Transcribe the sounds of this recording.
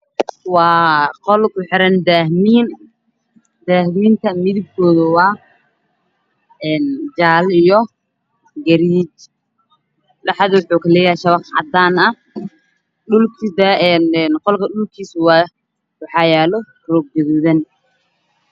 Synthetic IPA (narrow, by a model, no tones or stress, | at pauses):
wɑːqɔlkʰʊħɪɾɐnd̪aːhmiːn | d̪̥aːhmiːnt̪ʰɐmɪðɪb̚kʰɔːðʊwɑː | ɛːnd͡ʒaːlijɔ | ɡɐɾiːt͡ʃ | ɗɑħɑðʊwʊħuːkɐlɛːjaʃɐβɑqʕɑ̰d̪aːnɐ | ɗʊlkʰd̪ɛnːnqɔlkʰɐɗʊlkʰiːsw | wɑħɑːjɛːlɔ | rɔɡ̚ɡɐðuːðɐn